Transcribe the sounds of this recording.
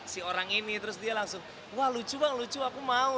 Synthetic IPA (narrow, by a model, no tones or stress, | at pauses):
sioɾaŋinit̪əɾʊsdialaŋsʊŋ | wahlut͡ʃubaŋlut͡ʃuakumau